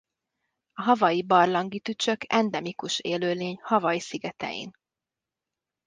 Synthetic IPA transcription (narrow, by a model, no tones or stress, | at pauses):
ɒɦɒvɒjibɒrlɒŋɡit̪yt͡ʃø̞kɛ̰nd̪ɛmikuʃeːløːleːɲhɒvɒjisiɡɛt̪ɛ̰jḭn